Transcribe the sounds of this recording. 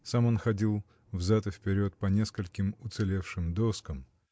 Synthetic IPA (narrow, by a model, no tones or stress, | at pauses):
samo̞nxɐdʲilˠ | vzat̪əfʲpʲɪɾʲo̞t̪̚pɐnʲe̞skəlʲkʲɪmʊt̪sɨlʲe̞fʂɨmd̪oskəm